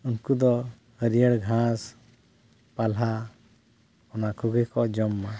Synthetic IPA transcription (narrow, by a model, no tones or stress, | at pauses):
unkud̪ɔ | əɾijəɽɡʱãs | palɦa | ɔnakʰuɡɛkɔd͡ʒɔmːa